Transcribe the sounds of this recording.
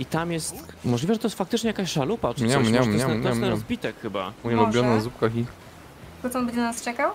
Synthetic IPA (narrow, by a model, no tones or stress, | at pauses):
it̪amjɛst̪mɔʐlʲivɛʐɛt̪ɔjɛst̪fak̚t̪ɘt͡ʂɲɛjakaɕʂalupaɲaɲɛmɔɛɛt̪ɔjɛsɛnɾɔzbʲit̪ɛkxɘba̰uɲɛlubʲjɔnazup̚kaxi | pɾut̪ɔ̃mbɘd͡ʑɛnanast͡ʂɛkaw